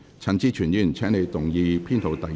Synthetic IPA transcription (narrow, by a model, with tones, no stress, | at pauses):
t͡sʰa˨˥nt͡siː˥t͡ʃʰyː˨˩njyː˧˩nt͡sʰɛː˨˥ŋne˨˧jt̪ʊ˨˩ŋjiː˧pʰiː˥nt̪ʰo˨˧wt̪ɐ˨